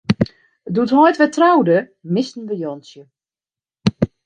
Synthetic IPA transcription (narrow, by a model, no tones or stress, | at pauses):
əduthɔjtʋɛtrawdə | mɪstn̩dəjɔnsjə